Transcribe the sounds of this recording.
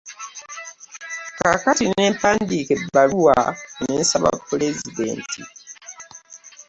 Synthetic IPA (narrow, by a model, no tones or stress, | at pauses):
kakatineːmpaːndikebːaluwa̰nensaβa̰pːlezide̞̰ːntʰi